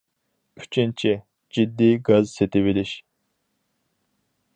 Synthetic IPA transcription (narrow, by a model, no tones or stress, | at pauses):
y̥t͡ʃʰint͡ʃʰi | d͡ʒid̪ːiːɡazset̪ʰɪbiliʃ